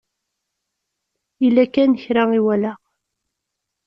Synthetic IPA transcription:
ilːækænəçɾaŋiwælæ

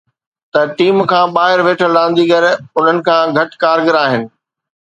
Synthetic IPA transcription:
t̪ɐʈiːmkʰãːɓaːɦɪɾʋeːʈʰəlɗãːn̆d̪iːɡɐɾʊn̤ənɪ̆kʰãːɡʱɐʈkaːɾɡəɾaːɦɪnɪ̆

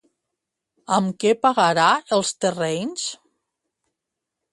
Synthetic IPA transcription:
amkɛpaɣaɾaəlˠst̪ərɛɲns

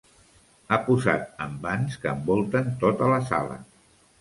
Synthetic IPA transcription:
apuza̰t̪əmbanskəːmbɔlˠt̪ənt̪ot̪ələsa̰lə̰

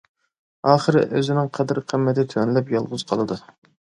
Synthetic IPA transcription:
ɑːχəɾɪ̰ʔøzɪnɪŋqʰɛd̪ɨɾqʰəmːɛt̪ɪt̪ʰønlɛpjɑlˠʁʊzqʰɑlˠɨd̪u

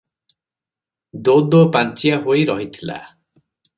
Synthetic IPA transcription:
d̪od̪ɔpant͡ʃijaɦojɾɔɦit̪ʰila̰

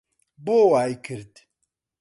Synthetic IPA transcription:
boːwaːjkʰɨɾt̪

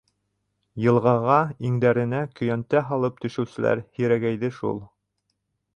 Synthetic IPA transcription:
jɤ̆lˠʁɑʁɑiŋd̪æɾɘ̆nækɵ̆jænt̪æɦɑlˠɤp̚t̪ɵ̆ʃɘ̆wsɘ̆læ̰ɾhiɾæɡæjðɘʃṵlˠ

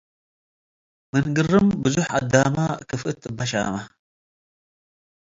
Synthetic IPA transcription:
mɨnɡɨrɨmbɨzuħad̪ːamakʰɨfʔɨt̪ʼɨbɐʃa̰ma

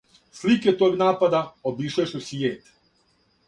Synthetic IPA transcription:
sliket̪oːɡnaːpad̪aobiʃaʃusijeːt̪

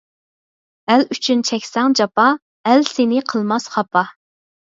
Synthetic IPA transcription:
ælyt͡ʃʰynt͡ʃʰɛkʲsɛŋd͡ʒɑpɑ | ælsenɪqʰəlˠmɑsχɑpʰɑ

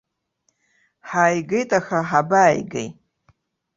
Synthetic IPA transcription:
ħaːjɡejtʼaxaħabaːjɡḛj

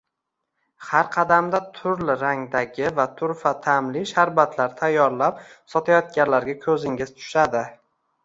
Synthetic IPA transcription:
haɾqʰɑd̪amd̪at̪ʰʊɾlɪɾaŋd̪aɡʲɪvat̪ʰʊɾfat̪ʰamlɪʃaɾbat̪ʰlaɾt̪ʰajːɒɾlap̚sɒt̪ʰajɒt̪̚ɡʲanlaɾɡʲakʰɵzɪŋʲɪz̥t̪ʰʊ̥ʃad̪ɪ

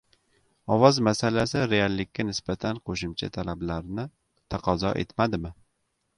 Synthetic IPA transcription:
ɒwɒzmasalasɪɾealːɪkʲʰːanɪsbat̪ʰanqʰoʃʊmt͡ʃʰa̰t̪ʰalablaɾnɪ | t̪ʰaqʰɒzɒ̰ʔe̞̰t̪mad̪ɪmɪ

